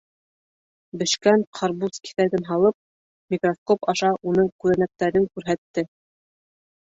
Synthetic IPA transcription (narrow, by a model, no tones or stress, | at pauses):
bɘ̆ʃkænqʰɑɾbuski̥θæɾðɘnɦɑlˠɤp̚ | mʲikroskopɑʃɑʔunɤŋkʉðænæk̚t̪æɾɘŋkʉɾɦæt̪ːɘ